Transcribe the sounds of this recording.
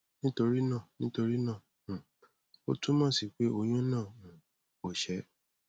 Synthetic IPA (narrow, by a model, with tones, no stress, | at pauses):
nĩ˦to˧ɾi˦nã˦˨nĩ˦to˧ɾi˦nãː˦˨ | o̰˦tũ˦mɔ̃˦˨si˨k͡pe˨˦o˧j̃ũ˦nãː˦˨ | o˨ʃɛ˨˦